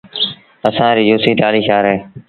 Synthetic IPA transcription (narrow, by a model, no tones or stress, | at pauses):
əsãːɾiːd͡ʒuːsiːʈ̪aːliːʃaːɾɦeː